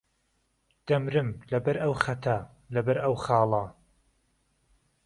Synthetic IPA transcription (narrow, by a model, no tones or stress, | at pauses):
d̪̥ɐmɾɨmlɐbɐɾɐwxɐt̪ʰɐ | lɐbɐɾɐwχɑːlˠɐ